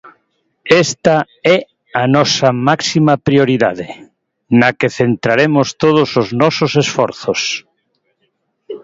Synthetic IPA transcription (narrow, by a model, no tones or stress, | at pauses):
ɛst̪a | ɛ | anɔsɐmaksimɐpɾioɾiða̰ðɪ | nakeθent̪ɾaɾemost̪oðʊsoznɔsosesfɔɾθos